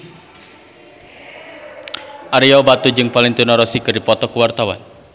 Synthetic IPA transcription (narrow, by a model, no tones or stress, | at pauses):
ʔaɾijawbat̪ud͡ʒɨŋpalɪŋt̪unɔɾɔsikɨrdipɔt̪ɔkəwart̪awa̰n